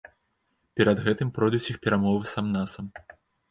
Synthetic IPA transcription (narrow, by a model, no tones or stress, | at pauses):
pʲɛɾɐd̪ɣɛt̪ɨmpɾɔjd̪ut͡sʲixpʲɛɾamɔvɨsamnasɐm